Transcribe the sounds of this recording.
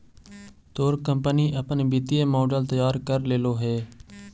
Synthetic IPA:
t̪oːɾkəmpəniːʔəpnbit̪ieːmoːɖəlt̪əjaːɾkəɾleːloːɦɛː

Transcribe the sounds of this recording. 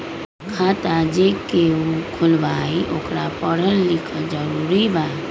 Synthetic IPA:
kʰat̪ad͡ʒekeũkʰulbaiʔokɾapəɾ̤əlːikʰəd͡ʒəɾuɾiba

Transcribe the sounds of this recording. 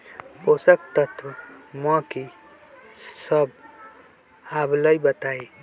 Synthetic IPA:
posək̚t̪ət̪ʰwəmãki | səb | abləjbət̪ai

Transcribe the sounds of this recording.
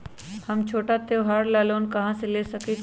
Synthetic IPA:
hɐmt͡ʃʰoːʈat̪eɦaːɾlaːloːnkɐɦãseleːsɐke

